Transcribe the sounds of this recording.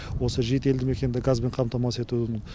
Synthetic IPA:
wo̞səʒijt̪e̞ld̪ɪme̞kʲe̞nɪd̪ɪɡazbe̞ɴqʰɑmt̪ɑmɑse̞t̪umɪn

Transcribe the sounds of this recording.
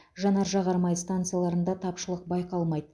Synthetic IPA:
ʒɑnɑɾʒɑʁɑɾmɑjst̪ant̪sɨjalˠɑɾənd̪ɑt̪ʰɑpʃəlˠəq̚bɑjqɑlˠmɑjd̪ə

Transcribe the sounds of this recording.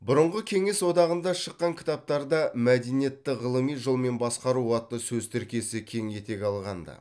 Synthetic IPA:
bʊɾəɴʁəkʲʰe̞ŋe̞swo̞d̪ɑʁənd̪ɑʃəqːɑŋkʲʰɪ̥t̪ɑp̚t̪ɑɾd̪ɑmæd̪enije̞t̪ːɪʁəlˠəmijʒolˠme̞nbɑsqɑɾuɑt̪ːəsɵzt̪ʰɪɾkʲe̞sɪkʲʰe̞ŋje̞t̪e̞kʲɑlˠʁɑnd̪ɑ̰

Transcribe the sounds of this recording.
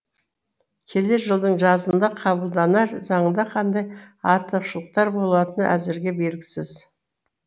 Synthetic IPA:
kʲʰe̞le̞ɾʒəlˠd̪əɴʒɑzənd̪ɑqʰɑβəlˠd̪ɑnɑɾzɑɴənd̪ɑqʰɑnd̪ɑjɑɾt̪əqʃəlˠəq̚t̪ɑɾbo̞lˠɑt̪ənæ̰zɪɾɡʲe̞be̞lɡʲɪsɪz

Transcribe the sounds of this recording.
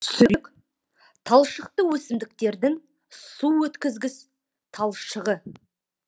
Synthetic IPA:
sʏɾk | t̪ʰɑlˠʃəqt̪əwɵsɪmd̪ɪk̚t̪e̞ɾd̪ɪŋ | suwɵt̪kʲɪzɡʲɪs | t̪ʰɑlˠʃəʁə

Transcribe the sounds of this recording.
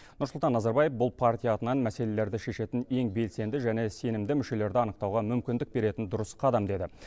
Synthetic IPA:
nʊɾsʊlˠt̪ɑnːɑzɑɾbɑjefbʊlˠpʰart̪ʲijaːt̪ənɑnmæse̞le̞le̞ɾd̪ɪʃe̞ʃe̞t̪ɪne̞ŋbe̞lse̞nd̪ɪʒæne̞se̞nɪmd̪ɪmʏʃe̞le̞ɾd̪ɪɑnəqt̪ɑwʁɑmʏmkʲɪnd̪ɪk̚be̞ɾe̞t̪ɪnd̪ʊɾəsqʰɑd̪ɑmd̪e̞d̪ɪ

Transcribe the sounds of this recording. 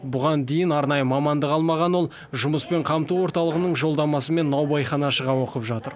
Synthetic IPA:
bʊʁɑnd̪e̞jɪnɑɾnɑjəmɑmɑnd̪əqɑlˠmɑʁɑnwo̞lˠ | ʒʊməspe̞ɴqʰɑmt̪uwo̞ɾt̪ɑlˠəʁənəɴʒo̞lˠd̪ɑmɑsəme̞nːɑwbɑjχɑnɑʃəʁɑwo̞qəpʒɑt̪əɾ

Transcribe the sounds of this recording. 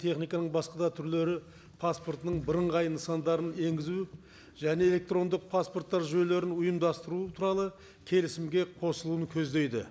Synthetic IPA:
t̪ʰe̞χnijkɑnəɴbɑsqɑd̪ɑt̪ʰʏɾle̞ɾɪ | pʰaspo̞rt̪ənəɴbəɾəɴʁɑjənəsɑnd̪ɑɾəne̞ŋɡʲɪzu | ʒ̥æne̞elʲe̞k̚t̪ro̞nd̪əq̚pʰasport̪ːɑɾʒøjle̞ɾɪnʊjəmd̪ɑst̪əɾut̪ʰuɾɑlˠə | kʲʰe̞lɪsɪmɡʲe̞qʰo̞səlˠuəŋkʲʰɵzd̪e̞jd̪ɪ̰

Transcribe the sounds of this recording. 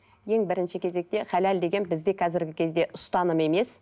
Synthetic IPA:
je̞ŋbɪɾɪnʃɪkʲʰe̞ze̞k̚t̪e̞χælæld̪e̞ɡʲe̞nbɪzd̪e̞kʰɑzɪɾɡʲɪkʲʰe̞zd̪e̞ʔʊst̪ɑnəme̞me̞s

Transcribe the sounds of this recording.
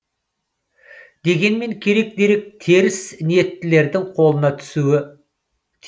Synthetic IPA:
d̪e̞ɡʲe̞nme̞ŋkʲʰe̞ɾe̞k̚d̪e̞ɾe̞k̚t̪ʰe̞ɾɪsnije̞t̪ːɪle̞ɾd̪ɪŋqʰo̞lˠənɑt̪ʰʏ̥suɪ | t̪ʰ

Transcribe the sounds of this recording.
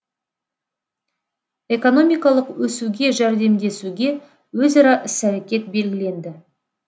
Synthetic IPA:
e̞ko̞no̞mijkɑlˠəqwɵsuɡʲe̞ʒæɾd̪e̞md̪e̞suɡʲe̞ | wɵzɑɾɑʔɪsæɾekʲe̞t̪̚be̞lɡʲɪle̞nd̪ɪ

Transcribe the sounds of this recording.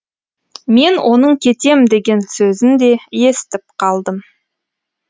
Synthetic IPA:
me̞nwʔo̞nəɴkʲʰe̞t̪e̞md̪e̞ɡʲe̞nsɵzɪnd̪e̞je̞st̪ɪp̚qʰɑlˠd̪əm

